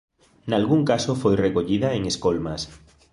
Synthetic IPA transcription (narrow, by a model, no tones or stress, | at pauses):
nalɣuŋkasofojrekoʎiðaeŋeskolmas